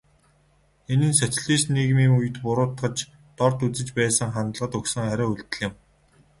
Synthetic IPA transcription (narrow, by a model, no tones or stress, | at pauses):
enɘ̆nsæt̪̆ʲɮiːsniɣmiːŋujɘ̆t̪pʊɾʊːt̪ɢə̆t͡ɕ | t̪ɔrt̪ut͡sɘ̆t͡ɕpæːsə̆ŋχant̪ɮʁə̆t̪ɵksə̆ŋaɾʲăːuɮt̪ɘ̆ɮɪ̆m